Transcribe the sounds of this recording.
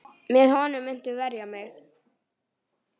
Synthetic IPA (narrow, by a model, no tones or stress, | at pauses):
mɛðhɔnʏmɪn̥t̪ʏvɛɾjamɛɣ